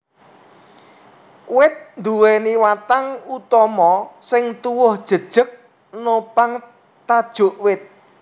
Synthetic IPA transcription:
wɪt̪̚nd̪uwɛniwat̪aŋut̪ɔmɔsɪŋt̪uwʊhd̥ʒ̥ə̤d̥ʒ̥ə̤k̚ | nopaŋ | t̪ad̥ʒ̥ʊ̤ʔwɪt̪̚

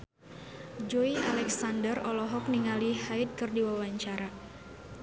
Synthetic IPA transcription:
d͡ʒoiʔalɛksandərɔlɔɦɔk̚niŋalihaɪt̪̚kɨrdiwawaɲt͡ʃaɾa

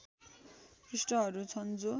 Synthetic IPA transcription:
krisʈʌɦʌɾut͡sʰʌnd͡zo

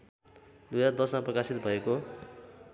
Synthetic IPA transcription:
d̪ujad̪ʌsmãprʌkasit̪bʱʌeko

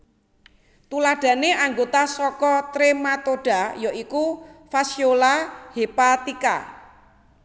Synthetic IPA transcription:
t̪ulaɖ̥ä̤neʔaŋɡot̪asɔkɔt̪ɾemat̪oɖ̥a̤jɔikufasiolahepat̪ika̰

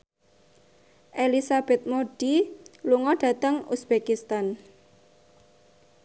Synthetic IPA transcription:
ʔelisab̥ɛt̪̚moɖ̥iluŋɔɖ̥a̤t̪əŋusb̥ekist̪an

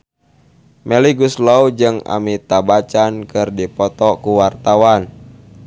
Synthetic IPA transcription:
mɛliɡuslɔud͡ʒɨŋa̰mit̪abat͡ʃankɨrdipɔt̪ɔkuwart̪awan

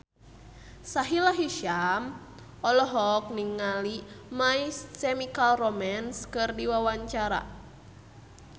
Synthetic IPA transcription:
saɦilaɦiʃam | ɔlɔɦɔk̚niŋːalimaissɛmikalromanskɨrdiwawaɲt͡ʃaɾa̰

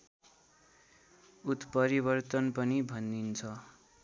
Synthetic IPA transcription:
ut̪pʌɾibʌrt̪ʌnpʌnibʱʌnd̪int͡sʰʌ

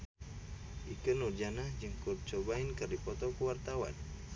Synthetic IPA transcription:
ʔikɨnurd͡ʒanahd͡ʒɨŋkur̚t͡ʃobainkɨrdipɔt̪ɔkuwart̪awa̰n

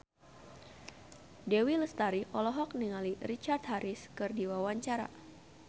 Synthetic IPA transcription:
dewiləst̪aɾiʔɔlɔɦɔk̚niŋalirit͡ʃart̪̚ɦaɾiskɨrdiwawaɲt͡ʃaɾa̰

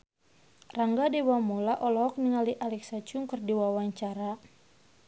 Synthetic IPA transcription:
raŋɡadewamolaʔɔlɔɔk̚niŋaliʔalɛksat͡ʃuŋkərdiwawaɲt͡ʃaɾa

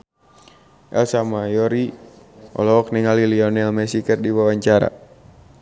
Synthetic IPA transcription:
ʔɛlsamajɔɾi | ʔɔ̰lɔɔk̚nɛŋaliliɔnɛlmɛsikərdiwawaɲt͡ʃaɾa̰

